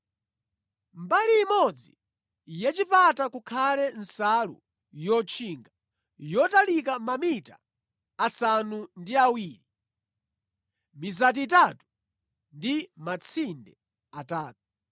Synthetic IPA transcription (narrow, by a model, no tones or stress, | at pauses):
mbaliːmɔd͡zi | jɛt͡ʃipatakukʰalɛnsalṵ | jɔt͡ʃʰiŋɡa | jɔtalikamamita̰ː | sanundiawiːli | mizat̬itatu̥ | ndimat͡sʰindɛ | ataːt̚u̥